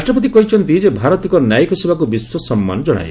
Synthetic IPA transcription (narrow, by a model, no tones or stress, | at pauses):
ɾasʈrɔp̬ɔt̪̬ikɔɦit͡ʃʰɔnt̪id͡ʒebʱaɾɔt̪ikɔnjajikɔsebakubiswɔsɔmːa̰nɔd͡ʒɔɽ̃a̰j